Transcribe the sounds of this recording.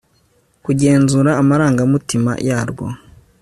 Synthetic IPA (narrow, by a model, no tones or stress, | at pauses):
kuɟe̞ːnzuːɾaːmaɾaːŋɡamutima̰jaːɾɡo̰